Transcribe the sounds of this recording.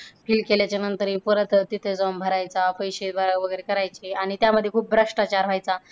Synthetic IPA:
pʰiːlkeljat͡ɕjanənt̪əɾipəɾət̪ət̪it̪ʰed͡zəmbʱəɾajt͡sapəjɕebʱəɾaʋəɡəjɾekəɾajt͡ɕeaɽ̃it̪jaməd̪ʱːjekʰuːp̚bʱɾəʂʈat͡ɕaɾɦajt͡sa

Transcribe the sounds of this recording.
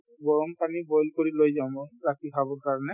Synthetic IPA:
bɔɹɔmpanibɔjlkoɹilojzamɔɹakibʱabɔɹkaɹɔnɛ

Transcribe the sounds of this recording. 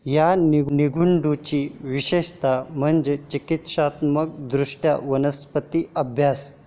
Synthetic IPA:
janiniɡʱuɳɖut͡ɕiʋiɕeɕt̪am̤əɳd͡ʑet͡ɕikit̪ɕat̪mək̚d̪ɾuʂʈʰja̰ʋənəspət̪iəbʱjas

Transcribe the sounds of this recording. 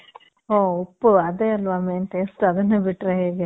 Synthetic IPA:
ɦoːopːuɐd̪eːɐlʋameːnʈ̪esʈɐd̪ɐnːebiʈɾeɦeːɡe

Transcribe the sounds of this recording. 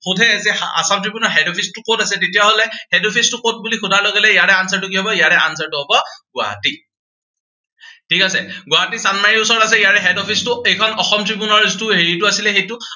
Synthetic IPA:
xutʰɛzia̰samtɹibunɔɹɦɛdɔpʰistʊkotasɛtetijaɦolɛhɛdɔpʰistʊkot̚bulixudʱaloɡɛlɛijatɛansaɹtukiɦɔbɔijatɛʔa̰ns̬aɹtuɦobɔɡʊa̰ti | tʰikasɛɡʊwatisanmaɹiʊsɔɹtas̬ɛijaɹɛɦɛdɔpʰistʊejkʰɔnɔxɔmtɹipunɔɹztʊɦeɹituasilɛxejtu

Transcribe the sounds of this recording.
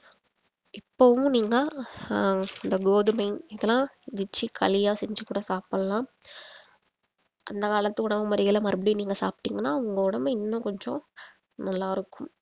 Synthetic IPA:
ɪpːoʋʊ̃niːŋɡɐ | ɪnd̪ɐɡoːðɯmɐɪnɪðɐlãːdɪt͡ʃːikʰɐlɪjaːsɛɲd͡ʒɯkuːɽɐsaːpɐlɐlãː | ʔɐ̰nd̪ɐkaːlɐt̪ːɯʊɽɐmɐmɐɾɪɣɐlɐmɐɾɯbɐɽɪniːŋɡɐsaːpʈːiːŋɡɐnːaːʊŋɡɐʊɽɐmɪnːʊ̃kɔɲd͡ʒõ̰ | nɐlːaːɪɾɯkːʊm

